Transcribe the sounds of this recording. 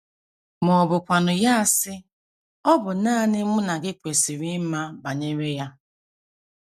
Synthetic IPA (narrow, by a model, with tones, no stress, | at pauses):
mɔ˨bʊ˨kʷa˨nʊ˨ja˦a˨sɪ˦ | ɔ˦bʊ˨naː˦˨nɪ˦mʊ˦na˨ɡɪ˦kʷe˨si˨ɾɪ˦ma˦ba˨ɲe˦me˦ja˦